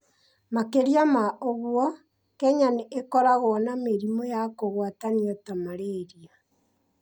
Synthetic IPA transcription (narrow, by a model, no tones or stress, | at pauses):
makeɾjamaʔoɣwɔ | kɛɲaneekɔɾaɣoɔnameɾimojakoɣwataniɔtamaɾeɾia